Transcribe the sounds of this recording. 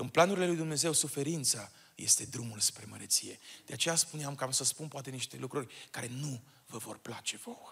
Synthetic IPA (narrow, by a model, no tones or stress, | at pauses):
ɨnplanuɾile̞lujd̪umne̞ze̞wsufe̞ɾint̪sa | je̞st̪e̞d̪ɾumulspɾe̞məɾet̪sije̞d̪eat͡ʃe̞jaspuneamkamsəspunpoat̪e̞niʃt̪e̞̰lukɾurʲkaɾe̞nu | vəvo̞̰rplat͡ʃe̞vow